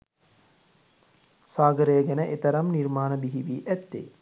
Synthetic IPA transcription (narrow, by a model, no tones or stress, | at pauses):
saːɡəɾəjəɡɛnəʔet̪əɾamniɾmaːnəbiɦiʋiːʔæt̪ːḛ